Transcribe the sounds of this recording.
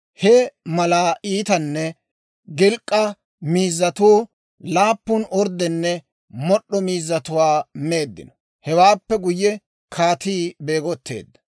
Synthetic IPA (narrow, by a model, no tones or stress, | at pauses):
hɛmɐlaːʔiːt̪ɐnːɛ | ɡɪlkʼːɐ | miːzːɐt̪uː | laːpːʊnɔɾd̪ɛnːɛ | mɔɗːɔmiːzːɐt̪ʊwaːmeːd̪ːɪ̰nɔ̥ | hɛwaːpːɛɡʊjːɛ | kʰaːt̪iːbeːɡɔt̪ːe̞̰ːd̪ːɐ̥